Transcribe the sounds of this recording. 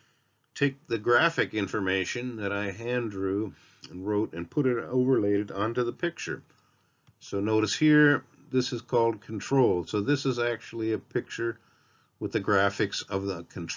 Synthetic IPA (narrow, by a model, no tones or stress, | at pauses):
tʰeɪk̚ðɨɡɹæfɨkɪ̃ɱfə˞meɪʃɨ̃nðɨɾaɪɦæ̃ndɹʉ̃ | nɹoʊɾɨ̃npʰʊɾɨɾo̰ʊvə˞leɪɾɨɾə̃ntʉðəpʰɪk̚t͡ʃə̰˞ | soʊnoʊɾɨshiɹ | ðɪsɨz̥kʰɔlˠd̚kʰn̩tʰɹ̥oʊlˠsoʊðɪsɨzæk̚t͡ʃul̩ˠiɨpʰɪk̚t͡ʃə˞ | wəðɨɡɹæfɨksʌvðəkʰn̩